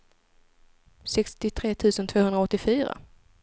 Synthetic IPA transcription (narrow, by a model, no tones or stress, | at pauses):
sɛkst̪ɪt̪ʰɾeːt̪ʰʉ̟ːsənt̪ʰvoːhɵnd̪ɾaɔt̪ːɪfyːɾa̰